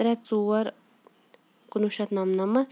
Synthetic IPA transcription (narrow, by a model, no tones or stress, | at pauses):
ɾɛt͡suːɐɾ | kunuʃɐt̪nɐmnɐmɐt̪